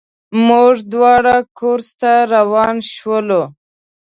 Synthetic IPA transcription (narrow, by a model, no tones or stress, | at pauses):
muʐd̪wɑɽakoɾst̪aɾawɑnʃwəlo